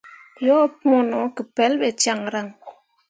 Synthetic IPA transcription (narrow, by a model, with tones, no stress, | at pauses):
jɔ˦pmɔ˦nɔ˨ki˨pɛ˨˦lbɛ˨t͡ʃa˦˨ŋɾa˦˨ŋ